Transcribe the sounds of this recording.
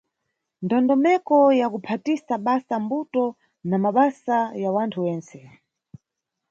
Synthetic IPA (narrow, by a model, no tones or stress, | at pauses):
ndɔndɔmɛkɔjakupʰatisaɓasambutɔ | namaɓasajawantʰuwɛːnt͡sɛ